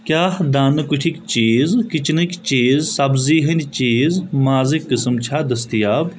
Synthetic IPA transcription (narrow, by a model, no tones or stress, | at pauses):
kʲjaːhd̪aːnɨkuʈʰikt͡ʃiːzkit͡ʃʰnɨkʲt͡ʃiːzsɐbziːɦɐnʲt͡ʃiːzmaːzikːɨsɨmt͡ʃʰaːd̪ɐst̪ijaːb